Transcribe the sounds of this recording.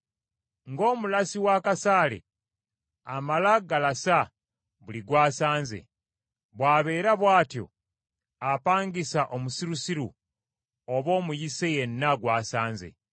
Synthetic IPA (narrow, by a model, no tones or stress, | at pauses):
ŋɡo̞ːmulasiwakasaːlḛ | amalaɡalasa | βuliɡwaːsaːnze̞̰ | βwaːβe̞ːɾaβwaːtjo̞̰ | apaːŋɡisaʔomusiɾusiɾṵ | oβo̞ːmujise̞jenːaɡwaːsaːnzḛ